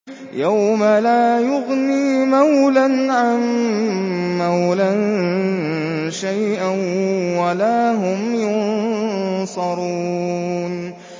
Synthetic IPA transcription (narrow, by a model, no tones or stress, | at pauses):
jawmalaːjʊɣniːmawlanʕamː | awlan | ʃajʔanwalaːɦʊmjʊn | sˤɑɾuːn